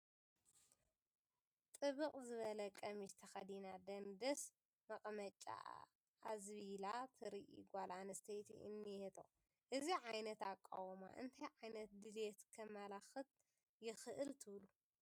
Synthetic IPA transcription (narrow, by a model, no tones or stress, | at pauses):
t̪ʼɨβɨqʼzɨβɐlɐkʼɐmiʃt̪ʰɐxɐd̪inad̪ɐnd̪ɐs | mɐqʼmɐt͡ʃʼːa̰ | ʔazβilat̪ʰɨɾiʔḭɡʷalʔanɐst̪ʰɐjt̪ʰḭʔɨ̰nːihet̪ʰo̰ | ʔɨziʕajnɐt̪akʼːa̰wma̰ʔɨnt̪ʰajʕajnɐt̪̚d̪ɨlet̪kʰɐmːalaxɨt̪̚ | jɪxɨʔɨlt̪ʰɨβlu